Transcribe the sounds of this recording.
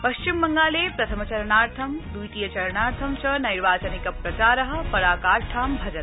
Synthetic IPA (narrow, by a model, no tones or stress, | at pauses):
pɐʃt͡ʃimːɐŋɡaːleːpɾɐt̪ʰɐmɐt͡ʃɐɾɐnaːɾt̪ʰɐmd̪ujʈ̪ijɐt͡ʃɐɾɐnaːɾt̪ʰɐmt͡ʃɐnɐjɾʋaːt͡ʃɐnikɐpɾɐt͡ʃaːɾɐɦɐ̆pɐɾaːkaːɾʈʰaːmbʱɐd͡ʒɐt̪